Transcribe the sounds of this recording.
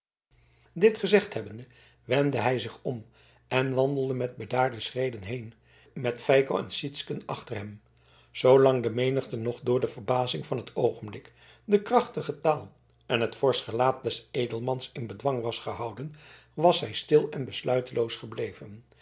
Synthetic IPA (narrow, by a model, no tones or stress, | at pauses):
dɪtχəzɛχtɦɛbəndə | ʋɛndəɦɛjzɪχɔm | ɛnʋɑndəlˠdəmɛd̚bədaːɹdəsrejdənɦejn | mɛtfɛjkoɛ̰nsitskənɑ̰χtərɦɛm | z̥owlɑŋdəmejnəχtənɔχdʊːɹdəvəɹbaːzɪŋvɑnɦətʰowχənblɪk | dəkrɑχtəχətaːlˠ | ʔɛnɦətfɔɹsχəlaːt̚dɛsejdəlˠmɑnsɪnbədʋɑŋʋɑsχəɦɑwdənʋɑsɦɛjstɪlˠɛnbəslœɥtəlʔowsχəblejvən